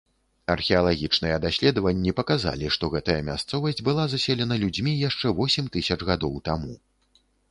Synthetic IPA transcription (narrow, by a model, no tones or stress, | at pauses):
ɐrxʲɛɐlˠaɣʲit͡ʂnɨjɛd̪asʲlʲɛd̪ɐvɐnʲːipɐkaza̰lʲiʂt̪ɔɣɛt̪ɐjɐmʲa̰st̪sɔvɐsʲd͡zʲbɨlˠazasʲɛlʲɛnɐlʲud͡zʲmʲijaʂt͡ʂɛvɔsʲɛmt̪ɨsʲɐt͡ʂɣad̪ɔwt̪amu